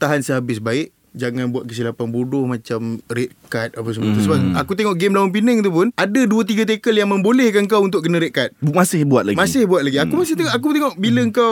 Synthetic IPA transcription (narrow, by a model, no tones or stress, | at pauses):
t̪aɦansəɦabɪs̬baɪʔ | d͡ʒaŋãnbuat̪̚kəs̬ilapanbudʊhmat͡ʃamret̪̚kat̪̚apas̬əmət̪əsəbaakut̪eŋɔʔɡemlaʊnp̬inəŋt̪̬up̬ʊnadaduət̪̬iɡat̪̬ekəljaŋmə̃mbolɛhkaŋkawunt̪̬ʊʔkːənəɾet̪̚kat̪̚masɪhbuat̪̚laɡmasɪhbuat̪̚laɡiakumasɪht̪eɔʔakut̪eŋɔʔbiləəŋkaw